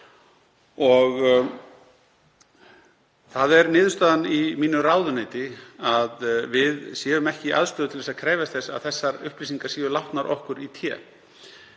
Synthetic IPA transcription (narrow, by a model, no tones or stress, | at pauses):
ɔɣ | θaðɛɾnɪːðʏst̪aːðanimiːnʏraːwðʏneːjt̪ɪaðvɪðsjɛːvʏmɛhcɪʔa̰ðst̪ʏːðʏt̪ʰɪlθɛsaðkʰɾɛːjvast̪θɛsa̰ðθɛsːaɾʏ̰hpliːsiŋkasiːvʏlawht̪naɾʔɔ̰hkʏɾit̪ʰjɛ̰ː